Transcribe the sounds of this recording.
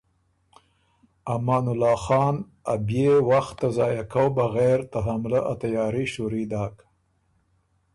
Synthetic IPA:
amɑːnʊlɑːxɑːn | a̰bjewaxt̪ːazɑːjakawbaɣeɾt̪aɦamlaʔat̪ajɑːɾiʃuɾid̪ɑːk

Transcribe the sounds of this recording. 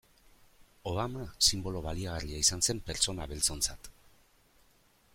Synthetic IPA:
o̞βamasimbo̞lo̞βaliaɣ̞ariaisanse̞mpe̞ɾt͡so̞naβe̞lt͡so̞nt͡sat̪

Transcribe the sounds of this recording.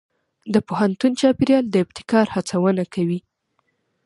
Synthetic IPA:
d̪əpohant̪unt͡ʃɑpeɾjɑld̪əɪbt̪ɪ̥kɑɾhat͡sawənakawi

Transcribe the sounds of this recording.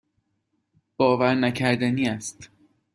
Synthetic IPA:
b̥ɒːvæɾnæcʰæɾd̪æniːæst̪

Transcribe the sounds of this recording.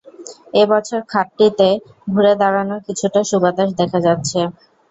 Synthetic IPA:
ebɔt͡ɕʰoɾkʰaʈːit̪e | bʱuɾed̪aɾanoɾkit͡ɕʰuʈaʃubad̪aʃ̬d̪ɛkʰad͡ʑatːɕʰe

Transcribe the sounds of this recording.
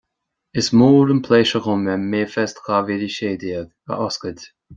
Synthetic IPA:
ɪsmuːɾənpʰleːʃəɣʊmɛmeːfɛstxaveɾiʃeːdiːəɡ | ə̰ʔɔskəd

